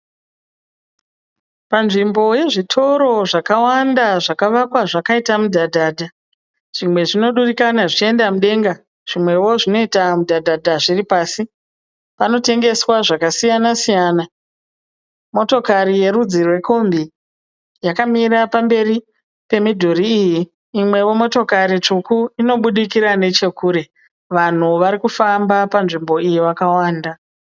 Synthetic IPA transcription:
panʐimbo̞je̞ʐitʰo̞ɾo̞ʐakawandaʐakaʋakwaʐakaitamudʱadʱaːdʱa | ʐ̥imwe̞ʐino̞ɗurikanaʐit͡ʃie̞ndamuɗe̞ŋɡa | ʐ̥imwe̞wo̞ʐino̞itamudʱadʱadʱaʐiripaːsi | pano̞te̞ŋɡe̞swaʐakasijanasijaːna | mo̞to̞kaɾije̞ɾud͡zirwe̞ko̞mbi | jakamiɾapambe̞ri | pe̞midʱoɾiːjiː | mwe̞wo̞mo̞to̞kaɾit͡ʂukuino̞ɓuɗikiɾane̞t͡ʃe̞kuːɾe̞ | ʋan̤uʋaɾikufambapanʐimbo̞ijiʋakawaːnda

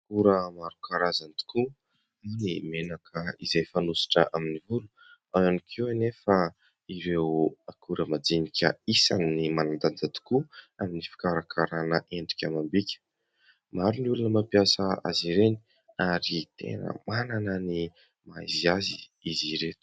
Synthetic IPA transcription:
kuɾəmaɾukaɾazant̪u̥ku | animenakʰəizajfanusi̥ʈ͡ʂəʔaminivulu̥ | ananikʰewanefa | iɾewakuɾəmad͡zinikʲə̰isannimanand̪and͡zat̪u̥kuaminifi̥kaɾakʰaɾanəʔeɳɖ͡ʐi̥kʲamambikʲə̥ | maɾuniulunəmapiasəa̰ziɾeni̥ | aɾit̪ḛnə̰mananəni | majziaziiziɾet̪u̥

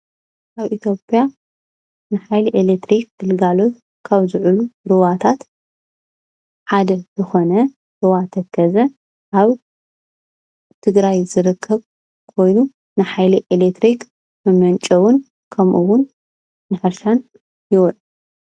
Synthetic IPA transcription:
ʔaβʔit̪ʰjo̞pʼja | nɨħajliʔelet̪ɾik̚ɡɨlɡalo̞t̪ | kʰaβzɨʕuluɾɨwat̪ʰat̪ | ħad̪ɐzɨxo̞nɐ | ɾɨwat̪ʰɐkʰːɐzɐ | ʔaβ | t̪ʰɨɡɾajzɨɾɨkʰːɐβ | kʰo̞jnu | nɨħajliʔelet̪ɾik | mɐmɐnt͡ʃʼɐwʊn | kʰɐmʔuwʊnː | ɨħɨɾʃan | jɪwɔt

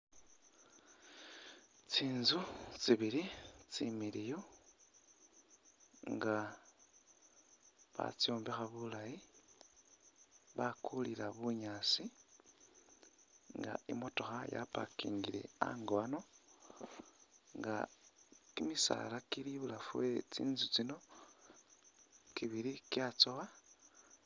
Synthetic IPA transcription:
t͡siːnzut͡siβiɾit͡similijo | ŋɡa | βa̰t͡sioːmbixaβulaji | βakulilaβuɲaːt͡si | ŋɡa̰ḭmo̞to̞xaja̰pakiːŋɡile̞̰a̰ŋɡoano̞ | ŋɡa | kimisa̰lakiliβulafuwet͡sḭːnzut͡sino̞ | kiβiɾikjat͡sowa

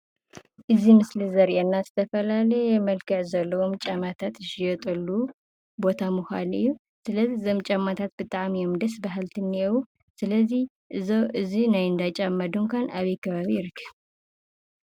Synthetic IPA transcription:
ʔɨzimɨslɨzɐɾʔɛnːasɨ̥t̪ʰəfəlaləjɛjɛməlkʰɨʕzɐlːəwomt͡ʃʼamat̪ʰat̪ɨʃijɔt̪ʼəlːu | bo̞t̪ʰamɨxʷanɨ̰jːu | sɨləziɨzɐmt͡ʃʼamːat̪ʰat̪̚b̥ɨt̪ʼaʕmjomd̪əsbaɦalt̪ʰɨnːiɛwu | sɨləzːih | ʔɨzowʔɨzinajɨnd̪at͡ʃʼamːad̪uŋkʷʰanaβekʰəβaβiɪɾkʰɨ

